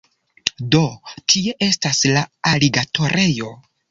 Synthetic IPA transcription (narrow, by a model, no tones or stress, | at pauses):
do̞tʰie̞ʔe̞staslaaliɡatʰo̞ɾʔe̞jo̞